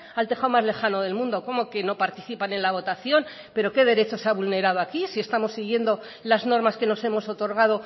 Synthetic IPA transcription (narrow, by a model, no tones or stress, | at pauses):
alt̪e̞χawmazle̞xano̞ðe̞lmũnd̪o̞ko̞mo̞ke̞no̞paɾt̪iθipane̞nlaβ̞o̞t̪aθjo̞n | pe̞ɾo̞ke̞ð̞e̞ɾe̞t͡ʃo̞seaβulne̞ɾað̞oakisie̞st̪amo̞sːiɣ̞je̞nd̪o̞ | lazno̞ɾmaske̞no̞se̞mo̞so̞t̪o̞ɾɣ̞að̞o̞